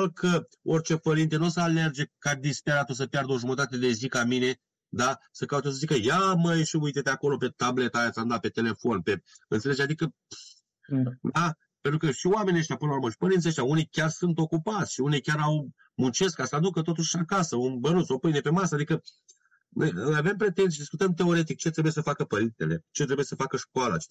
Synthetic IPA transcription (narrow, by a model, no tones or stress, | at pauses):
lkʰə | o̞rʲt͡ʃe̞pəɾint̪e̞nusəale̞rd͡ʒe̞kad̪ispeɾat̪osəpjard̪əo̞ʒumət̪at̪e̞d̪e̞zikamine̞ | d̪asəkaut̪osəzikəjaməjʃiujt̪et̪eako̞lo̞pe̞t̪able̞t̪ajat̪samd̪ape̞t̪e̞le̞fo̞npeɨnt̪seled͡ʒad̪ikə | d̪a | pent̪ɾukəʃioame̞niəʃt̪ʲapɨnəlɾuɾməʃi̥pəɾint̪siəʃt̪ʲaunijkʲarsunt̪o̞kupat̪sʲʃiunijkʲaɾaw | munt͡ʃe̞skasad̪ukət̪o̞t̪uʃʃakasəunbənunt̪sowpɨjnepe̞masəad̪ikə | no̰javempɾe̞t̪ensijed̪iskut̪əmt̪̬e̞o̞ɾe̞t̪̬ik̚t͡ʃe̞t̪ɾebuje̞səfakəpəɾint̪e̞le̞t͡ʃet̪ɾebuje̞səfakəʃkoala̰t͡ʃe